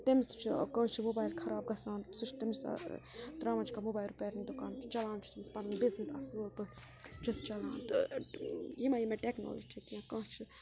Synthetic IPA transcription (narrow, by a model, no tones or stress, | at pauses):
t̪emst͡ʃʰkə̃ːt͡ʃʰimobaːjlkʰɐɾaːb̚ɡɐsaːnsut͡ʃʰt̪imst̪ɾãːʋɐnt͡ʃʰkamoːbaːjlɾupeːɾnʲd̪okant͡ʃʰt͡ʃɐlaːnt͡ʃʰi̥t̪imspɐnɐnbiznisɐ̰solpɨ | t͡ʃʰust͡ʃɐlaːnt̪ɨ | jimajimeʈekno̰ːləd͡ʒt͡ʃʰikiãkɐ̃ːt͡ʃʰi